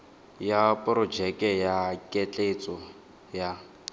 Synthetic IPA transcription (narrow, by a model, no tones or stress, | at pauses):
japʼɔrɔd͡ʒɛkʼɛjakʼɛt͡ɬʼet͡sʼɔ | ja